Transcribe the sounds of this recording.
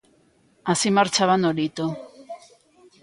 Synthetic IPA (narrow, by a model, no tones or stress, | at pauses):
asimaɾt͡ʃaβanoɾit̪o